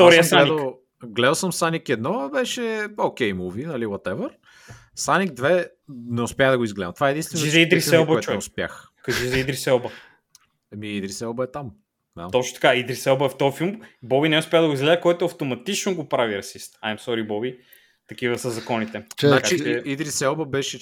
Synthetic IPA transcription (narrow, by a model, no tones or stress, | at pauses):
ft̪ɔɾiəsaɛd̪ik | ɡlɛd̪ɐlˠsəmsanikɛd̪nɔbɛʃɛok̟ɛjmuvinɐliwɐt̪ɛvəɾ | sanikd̪vɛ | nɛʊspʲjaɣd̪ɐɡoizɡlɛd̪ɐmt̪ovaɛd̪inst̪vɛnʒnizɐid̪ɾisɛlˠbəɔɛɛɛʊspʲja̰x | kɐʒizɐid̪ɾisɛlˠbə | ɛmiid̪ɾisɛlˠbəɛt̪am | na̰t̪ɔt͡ʃno̥t̪ɐ̥kaid̪ɾisɛlˠbəɛft̪ɔfilˠmbɔbinɛʊspʲaɣd̪ɐɡoizɡlɛzəkɔjt̪ʊɐft̪omɐt̪it͡ʃnoɡopɾaviɾɐsist̪ajmsɔɾibɔbi | t̪ɐk̟ivəsəzɐkɔnit̪ɛnnat͡ʃiid̪ɾisɛlˠbɐbɛʃɛ